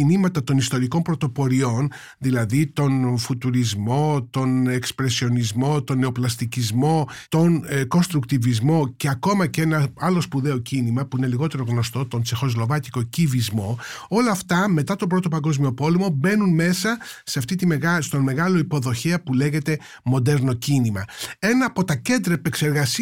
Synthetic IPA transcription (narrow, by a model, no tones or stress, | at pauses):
inimɐt̪ɐt̪o̞nist̪o̞ɾiko̞mpɾo̞t̪o̞po̞ɾio̞n | ðilɐðit̪o̞nfut̪uɾizmo̞t̪o̞ne̞kspɾe̞sio̞nizmo̞t̪o̞nːe̞o̞plɐst̪icizmo̞t̪o̞nko̞nst̪ɾukt̪ivizmo̞ce̞ɐko̞mɐcenɐɐlo̞spuðe̞ocinimɐpuine̞liɣo̞t̪e̞ɾo̞ɣno̞st̪o̞t̪o̞nsexo̞zlo̞vɐt̪iko̞civizmo̞o̞lɐːft̪ɐmet̪ɐt̪o̞pɾot̪opɐŋɡo̞zmio̞po̞lemo̞be̞nunme̞sɐse̞ɐft̪it̪imeɣɐst̪o̞nme̞ɣɐlo̞ipo̞ðo̞çeɐpule̞ɣe̞t̪e̞ | mo̞d̪e̞ɾno̞cinimɐe̞nɐːpo̞t̪ɐce̞nd̪ɾɐepekse̞ɾɣɐs